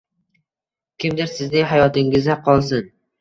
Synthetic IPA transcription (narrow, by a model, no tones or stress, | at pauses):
kʲʰɪmd̪ɪɾsɪznɪŋɦajɒt̪ɪŋɪzaqʰɒlˠsɪn